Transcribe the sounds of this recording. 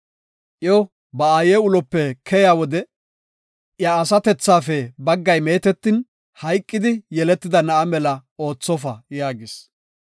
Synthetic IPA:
ʔjo | bɐaːjeːʊlɔpːɛkʰɛjaːwɔd̪ɛ | ʔjaːsɐt̪ɛt͡sːaːfɛbɐɡːɐjmeːt̪ɛt̪ːɪn | hɐjkʼːɪd̪ɪjɛlɛt̪ːɪd̪ɐnɐʔɐmɛlɐo̞ːt͡sːɔfɐjaːɡɪs

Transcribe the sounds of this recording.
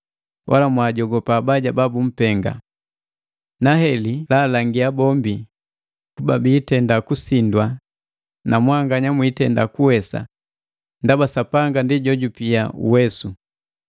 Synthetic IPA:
wʔa̰lamwaːɟɔɡɔpaːbaɟababum̩pɛŋɡa̰ | naɦɛlilalaŋɡiabɔmbi | kubabiːtɛndakusindwa | namwaŋɡaɲamwiːtɛndakuwɛsa̰ | ndabasapaŋɡandiɟɔɟupiaṵwɛsu

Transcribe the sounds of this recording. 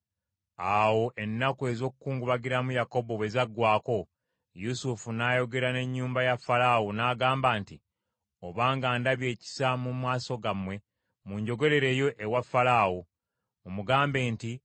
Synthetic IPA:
awo̞ʔe̞nːakue̞zo̞kukuːŋɡuβaɡiɾamujako̞bo̞we̞zaɡːwaːko̞ | jusufunaːjo̞ɡe̞ɾane̞ɲːuːmbajafalawonaːɡaːmbaːnti | oβaːŋɡaːndaβje̞ːci̥samumwaːso̞ɡamwe̞ | muɲɟo̞ɡo̞ɾe̞ɾe̞ːjo̞ʔewafːalaːwo | omuɡaːmbe̞ːnti

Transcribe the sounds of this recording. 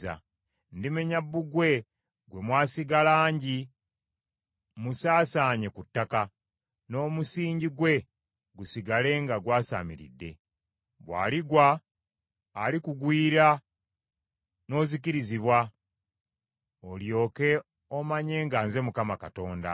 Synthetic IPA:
a̰ | ndimeɲabːuɡwe̞ | ɡwe̞mwaːsiɡalaːɲɟi | musaːsaːɲe̞kutːaka | no̞ːmusiːɲɟiɡwe̞ | ɡusiɡale̞ŋɡaɡwaːsa̰ːmḭɾḭdːe̞̰ | βwa̰ːliɡwaː | likuɡwiːɾa | no̞ːzikiɾiziβwa | oljo̞ːke̞ | o̞maɲe̞ːŋɡaːnze̞mukamakato̞ːnda̰

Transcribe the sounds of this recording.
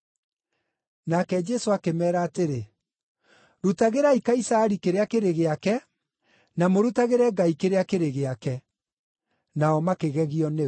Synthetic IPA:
nakɛd͡ʒɛsoakemɛːɾaːteɾe | ɾutaɣeɾaikaisaɛɾikeɾeakeɾeɣeakɛ | namoɾutaɣeɾɛɡaikeɾeakeɾeɣeakɛ | naɔmakeɣɛɣiɔne

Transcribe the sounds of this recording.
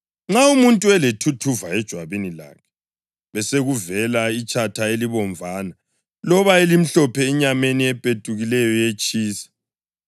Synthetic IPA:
ŋ͡ǁaumuntʼuɛletʰutʰuvaɛd̥ʒ̥ʱwaβinila̰ːkʰɛ̥ | βɛseɣuvɛlait͡ʃʼʰatʰaeliβɔɱvʱaːna | lɔβaelim̩ɬɔpʰɛiɲameniɛpʼetʼuɣilɛjɔjet͡ʃʼiːsɛ̥

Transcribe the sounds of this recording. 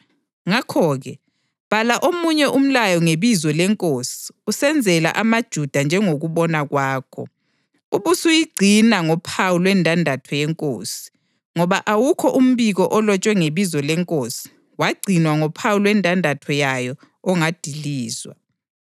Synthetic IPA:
ŋakʰɔːɣɛ | β̥alaʔomuɲɛʔum̩lajɔŋeβizwɔlɛŋkʼosi̥usɛnd͡zʱɛla̰ʔamad̥ʒ̥ʱud̥ʱand͡ʒʱɛŋoɣuβɔnaɣwaːkʰɔ̰ | uβusujiɡ͡ǀʱinaŋɔpʰawulwɛndʱandʱatʰɔjɛŋkʼo̰ːsi̥ | ŋɔβaʔawukʰɔʔum̩βiɣɔʔɔlɔt͡ʃʼwɛŋeβizɔlɛŋkʼosi̥ | waɡ͡ǀʱinwaŋɔpʰawulwɛndʱandʱatʰɔjajɔ | ɔŋad̥ʱiliːzwa̰

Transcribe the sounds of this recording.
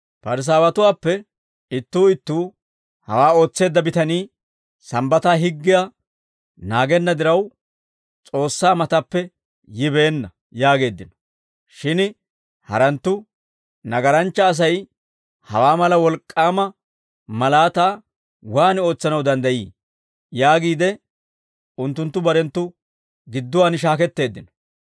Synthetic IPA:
pɐɾɪs̬aːwɐt̪ʊwaːpːɛ | ɪt̪ːuːɪt̪ːuː | hɐwaːo̞ːt͡sːe̞ːd̪ːɐbɪt̪ɐniː | sɐmbɐt̪aːɦɪɡːɪja | naːɡɛnːɐd̪ɪɾɐw | t͡sʼo̞ːsːaːmɐt̪ɐpːɛ | jɪbe̞ːnːɐ | jaːɡe̞ːd̪ːɪnɔ̥ | ʃɪn | hɐ̰ɾɐnt̪ːʊ | nɐɡɐɾɐnt͡ʃːɐːs̬ɐj | hɐ̰waːmɐlɐwɔlkʼːaːmɐ | mɐlaːt̪aː | waːno̞ːt͡sːɐnɐwd̪ɐnd̪ɐjḭː | jaːɡiːd̪ɛ | ʊnt̪ːʊnt̪ːʊbɐɾɛnt̪ːʊ | ɡɪd̪ːʊwaːnɪʃ̬aːkɛt̪ːe̞ːd̪ːɪnɔ̥

